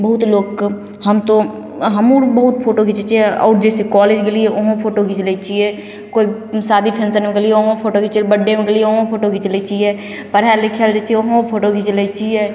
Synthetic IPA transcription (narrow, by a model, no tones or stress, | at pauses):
bəɦut̪loːk | həmt̪o | ɦəmoɾbəɦut̪̚pʰoːʈoɡit͡ʃet͡ʃeɔ̰ːɾd͡ʒeːsekɔleːd͡ʒkelieʔoɦõpʰoːʈoɡit͡ʃlɛt͡ʃie | koːisaːd̪ipʰẽnsənmẽkelieoɦõpʰoːʈoɡit͡ʃilbəɖːemẽkelieoɦõpʰoːʈoɡit͡ʃəlet͡ʃie | pəɾɦɛlekʰald͡ʒɛt͡ʃieoɦõpʰoːʈoɡit͡ʃlɛt͡ʃʰie